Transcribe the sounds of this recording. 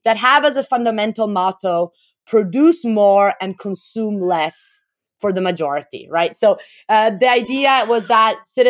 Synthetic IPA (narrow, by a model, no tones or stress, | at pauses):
ðɨt̚ɦəvəzəfʌ̃ndəmɛ̃ntl̩ˠmɑɾoʊ | pʰɹ̥ɨdʉsmɔɹɨ̃nkʰə̃nsũmlɛs | fə˞ðəmɨd͡ʒɔɹɨɾḭɹaɪtsoʊ | ʌðiaɪdiɨwʌzðət̚sɪɾ